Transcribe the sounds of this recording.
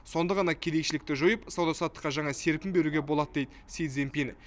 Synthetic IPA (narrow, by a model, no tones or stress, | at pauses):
so̞nd̪əʁɑnɑkʲʰed̪e̞ʃɪlɪk̚t̪ɪʒojəpsɑwd̪ɑsɑt̪ːə̥qːɑʒɑɴɑse̞ɾpʲɪmbe̞ɾuɡʲe̞bolˠɑt̪əd̪ejd̪ɪsijt̪zempʲenɪ